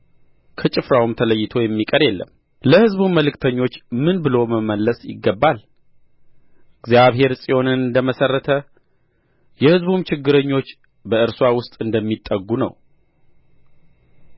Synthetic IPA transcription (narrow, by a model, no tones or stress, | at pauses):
kʰət͡ʃʼɪfɾawumt̪ʰələjːɪt̪ʰo̞jɛmːikʼəɾjɛlːə̰m | ləhɨzbumməlɨkt̪ʰəɲːo̞t͡ʃːmɨnbɨloməməlːəsjɪ̰ɡːəbːal | ɨɡzjaβhe̞ɾsʼijo̞nɨnɨnd̪əməsərːət̪ʰə | jɛhɨzbumt͡ʃɪɡːɨɾəɲːo̞t͡ʃː | bəɨɾswawʊst̪ʼɨnd̪əmːit̪ʼːəɡːunə̰w